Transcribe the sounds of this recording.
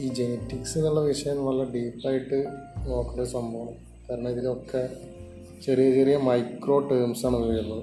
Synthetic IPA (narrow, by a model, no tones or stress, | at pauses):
iːd͡ʑenitːiksinuɭːɐʋiʂɐjɐmʋɐlːɐɖiːpːaːjiʈːɨno̞ːkːuɳɖesɐmbʱɐʋɐm | kɐɾɐnɐiðilokːe | t͡ɕɐrijɐt͡ɕerijɐmɐjkro̞ːʈeɾmsaːɳɨʋiʋɐɽunːɐðɨ